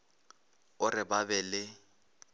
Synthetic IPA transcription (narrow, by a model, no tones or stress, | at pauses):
ʊrɪbabɛlɪ